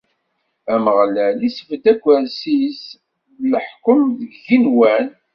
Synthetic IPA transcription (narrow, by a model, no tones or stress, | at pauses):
æməʁlælisəfd̪ækʷːæɾsis | ləħkəmðəɡinwæn